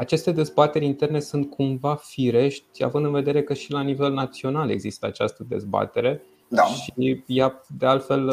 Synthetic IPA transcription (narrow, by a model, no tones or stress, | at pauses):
at͡ʃe̞st̪e̞d̪e̞zbat̪e̞ɾʲint̪e̞rne̞sunt̪̚kʰumvafiɾe̞ʃt̪ʲa̰vɨnd̪ɨnve̞d̪e̞ɾe̞kəʃilanive̞lnat̪sio̞nale̞ɡzist̪əa̰t͡ʃast̪əd̪e̞̰zba̰t̪e̞ɾe̞ | aʃijad̪e̞alt̪fe̞l